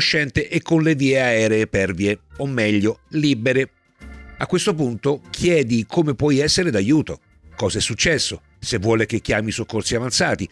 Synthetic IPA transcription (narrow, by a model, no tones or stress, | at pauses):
ʃːɛnt̪eʔekːonleviːeaɛːɾeːpɛrvieomːɛʎːolibeɾe | akːwest̪op̬unt̪okʰjɛːd̪ikʰomepwɔjɛsːeɾed̪ajuːt̪o | kɔːzaɛsːut͡ʃːɛsːo | sevːwɔːlek̟ekːjaːmisokːorsiavant̪saːt̪i